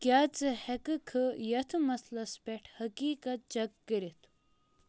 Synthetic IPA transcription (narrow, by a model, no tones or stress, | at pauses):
kʲjaːt͡sɨhɐkɨkʰɨjɐt̪ʰɨmɐslɐspeʈʰhɐkiːkɐt̪̚d͡ʒɐk̚ɡiɾit̪ʰu̥